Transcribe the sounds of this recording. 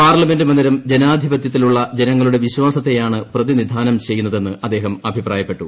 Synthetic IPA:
paːrlɐme̞ndɨmɐnd̪iɾɐmd͡ʑenaːd̪ʱibɐt̪jɐt̪ːiluɭːɐd͡ʑe̞nɐŋːɐɭuɽe̞ʋiɕwaːsɐt̪ːe̞jaːɳɨprɐðinid̪ʱaːnɐmt͡ɕejːunːɐðe̞nːɨʔɐd̪ːe̞ːɦɐmɐbʱipraːjɐpːe̞ʈːu

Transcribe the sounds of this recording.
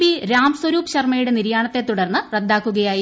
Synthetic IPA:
biɾaːmswɐɾuːpɕɐrmɐjuɽe̞niɾjaːɳɐt̪ːe̞t̪ːuɽɐrnːɨred̪ːaːkːuɣɐjaːji

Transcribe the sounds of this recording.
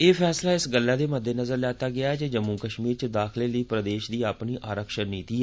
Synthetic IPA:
eːpʰɛːslaːɪsɡəlːaːd̪eːməd̪ːeːnəzəɾlɛːt̪aːɡɪaːɛːd͡ʒed͡ʒəmːũːkəʃmiːɾt͡ʃəd̪aːkʰleːləiːpɾəd̪eːʃd̪iːaːpniːʔʔaːɾəkʃəɾniːt̪iːɛ

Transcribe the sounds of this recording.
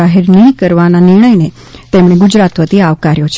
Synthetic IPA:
aɦeɾnəɦĩkəɾʋananɪɾɳ̃əjne | t̪emɽ̃eɡʊd͡ʒɾat̪ʋət̪iaʋkaɾjot͡ʃʰ

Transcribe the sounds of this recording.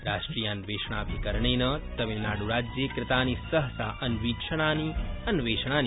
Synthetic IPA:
ɾaːʃʈɾijanʋeːʃɳ̃abʱikəɾɳ̃enət̪ɐʋilnaːɽuɾaːd͡ʒjekɾɪt̪anisəɦəsa̰ʔɐnʋikʃəɽ̃aniənʋeːʃɽ̃an

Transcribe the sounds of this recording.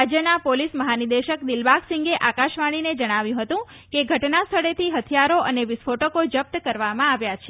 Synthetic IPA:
ad͡ʒjənapolisməɦanid̪əʃəkd̪ɪlbaksĩŋɡeʔakaʃʋaɽ̃ined͡ʒəɽ̃aʋjũɦət̪ũ | keɡʱəʈnast̪ʰəɽet̪ʰiɦət̪ʰjaɾoʔəneʋɪsfʰoʈəkod͡ʒəp̚t̪kəɾʋamãaʋjat͡ʃʰe

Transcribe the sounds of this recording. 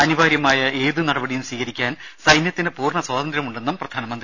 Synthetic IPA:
ɐniʋaːɾjɐmaːjɐe̞ːðɨnɐɽɐbɐɽijumsiːkɐɾikʲːaːnsɐjnjɐt̪ːinɨpuːrɳɐswaːd̪ɐnd̪ɾɐmuɳɖe̞nːumprɐd̪ʱaːnɐmɐnd̪ri

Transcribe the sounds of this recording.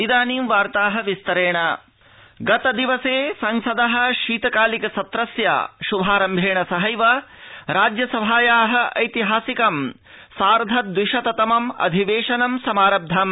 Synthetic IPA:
id̪aːniːmʋaːɾt̪aːɦɐʋist̪ɐɾeːɳɐ | ɡɐt̪ɐd̪iʋɐseːsɐŋsɐd̪ɐɦɐ̆ʃiːt̪ɐkaːlikɐsɐt̪ɾɐsja̰ʃubʱaːɾɐmbʱeːɳɐsɐɦɐjʋɐɾaːd͡ʒjɐsɐbʱaːjaːɦɐ̆ʔɐ̰jt̪iɦaːsikɐm | saːɾd̪ʱɐt̪̚d̪wiʃɐt̪ɐt̪ɐmɐmɐ̰d̪ʱiʋeːʂɐnɐmsɐmaːɾɐb̚d̪ʱɐm

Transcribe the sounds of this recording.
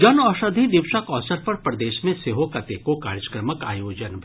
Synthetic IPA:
d͡ʒɐnɔːʃəd̪ʱid̪ɪʋʃəkɔːsəɾpɐɾpɾɐd̪eːʃmẽseɦokɐt̪ekokaːɾjəkɾəməka̰ːjoːd͡ʒənbʱ

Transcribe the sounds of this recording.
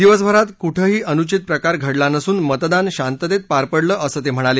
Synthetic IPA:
d̪iʋəsbʱəɾat̪kuʈʰəɦiːʔənut͡ɕit̪̚pɾəkaɾɡʱəɽlanəsuːnmət̪d̪anɕant̪əd̪et̪̚paɾpəɽləːʔəsəːt̪em̤əɽ̃ale

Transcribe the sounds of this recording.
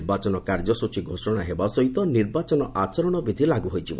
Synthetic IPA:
ɾbat͡ʃɔnɔkaɾd͡ʒɔsut͡ʃiɡʱosɔɽ̃aɦebasɔɦit̪ɔniɾbat͡ʃɔnɔʔat͡ʃɔɾɔɽ̃ɔbid̪ʱilaɡuɦojt͡ʃʰibɔ

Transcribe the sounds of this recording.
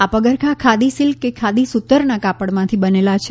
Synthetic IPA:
apəɡəɾkʰakʰad̪isilkekʰad̪isut̪ːəɾnakapəɽmãt̪ʰibənelat͡ʃʰe

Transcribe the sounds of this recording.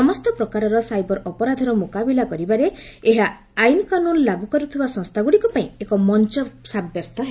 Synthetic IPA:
sɔmɔst̪ɔpɾɔkaɾɔɾɔsajbɔɾʔɔpɔɾad̪ʱɔɾɔmukabilakɔɾibaɾeeɦaː | jnkanunlaɡukɔɾut̪ʰibasɔ̃ŋst̪ʰaɡuɽikɔpaĩekɔmɔnt͡ʃɔsabjɔst̪ʰɔɦe

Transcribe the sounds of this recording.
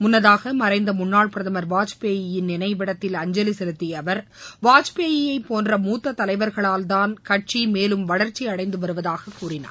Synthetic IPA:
mʊnːɐðaːɣɐmɐɾɐɪnd̪ɐmʊnːaːɭpɪɾɐðɐmɐɾʋaːt͡ʃpeːjɪjɪnːɪnɐɪʋɪɽɐt̪ːɪlɐɲd͡ʒɛlisɛɾɯt̪ːiɐʋɐɾʋaːt͡ʃpeːjɪjɐɪpːoːndrɐmuːt̪ːɐt̪ːɐlɐɪʋɐɾɣɐɭaːld̪aːnkɐʈ̚t͡ʃimeːlɯmʋɐɽɐɾt͡ʃːiɐɽɐɪnd̪ɯʋɐɾɯʋɐðaːɣɐkːuːrɪna̰ː

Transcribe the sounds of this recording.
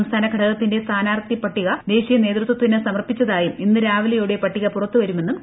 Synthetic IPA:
ɐmst̪ʰaːnɐkʰɐɽɐlɐt̪ːinde̞st̪ʰaːnaːrt̪ipɐʈːiɣɐd̪e̞ːɕijɐne̞ːt̪rɨt̪ːwɐt̪ːinɨsɐmɐrpːit͡ɕːɐðaːjuminːɨɾaːʋɐlɐjuɽe̞pɐʈːiɣɐpurɐt̪ːuʋɐɾume̞nːum

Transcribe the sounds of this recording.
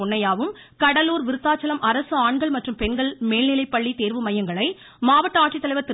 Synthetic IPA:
ɔɳːɐjaːʋɯm | kɐɽɐluːɾʋɪɾɯt̪ːaːt͡ʃːɐlɐmʔɐɾɐsɯaːɳɡɐɭmɐʈrɯmpɛnɡɐɭmeːlnɪlɐɪpːɐɭːit̪eːɾʋɯmɐjɐŋɡɐɭɐɪ | maːʋɐʈːɐaːʈrit̪ːɐlɐɪʋɐɾt̪ɪ

